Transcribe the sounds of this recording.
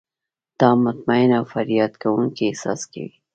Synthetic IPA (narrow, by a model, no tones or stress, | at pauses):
d̪̥ɑmʊt̪maɪnawfaɾjɑt̪kawuŋkiesɑ̰ska̰wi